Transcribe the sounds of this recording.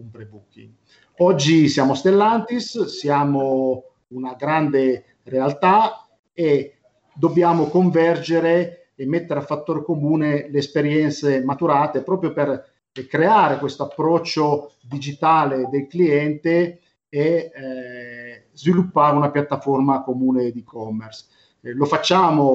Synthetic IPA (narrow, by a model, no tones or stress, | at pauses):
umpɾebukḭ | ɔd͡ʒːisjaːmost̪elːant̪isːjaːmo | unaɡɾand̪e | realt̪a | e | d̪obːjaːmokoɱvɛrd͡ʒeɾeː | mːet̪ːeɾeafːat̪ːoːɾekomuːneleːspeɾjɛnt̪semat̪uɾaːt̪epɾɔːpɾjoper | kɾeaːɾekwest̪oapːɾɔt͡ʃːod̪id͡ʒit̪aːled̪elkliɛnt̪eː | zvilupːaːɾunapjat̪ːaformakomuːned̪ikʰɔmːers | lofat͡ʃːaːmo